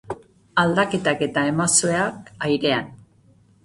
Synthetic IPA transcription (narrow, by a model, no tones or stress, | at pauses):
ald̪ake̞t̪ake̞t̪ae̞masoeakajɾe̞an